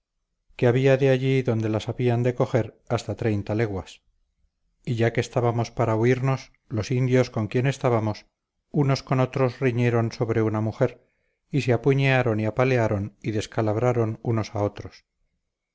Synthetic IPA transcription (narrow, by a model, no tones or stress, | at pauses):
keaβiaðeaʝiðo̞nd̪e̞lasaβiand̪e̞ko̞χe̞ɾ | ast̪at̪ɾe̞jnt̪ale̞ɣwas | iʝake̞ːst̪aβamo̞spaɾauiɾno̞s | lo̞sind̪jo̞sko̞ŋkje̞ne̞st̪aβamo̞s | uno̞sko̞no̞t̪ɾo̞sriɲe̞ɾo̞nso̞βɾe̞unamuxe̞ɾ | iseapuɲeaɾo̞niapale̞aɾo̞niðe̞skalaβɾaɾo̞nuno̞sao̞t̪ɾo̞s